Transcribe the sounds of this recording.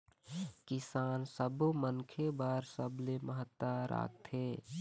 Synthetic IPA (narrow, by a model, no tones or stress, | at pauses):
kɪsaːnsəbmənkʰebaːɾsəbleməɦət̪ːaɾa̰ːk̚t̪ʰeː